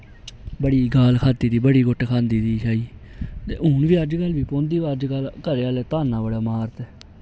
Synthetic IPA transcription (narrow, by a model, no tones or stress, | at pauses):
bəɽiːɡaːlkʰaːt̪iːd̪iːbəɽiːɡʊʈkʰãːnd̪iːd̪iːt͡ʃaːiː | t̪ḛːũːnʋiːəd͡ʒkəlʋiːpõːnd̪iːʋaːd͡ʒkəlkəɾːaːlɛːt̪aːnːãːbəɽaːmaːɾt̪ɛː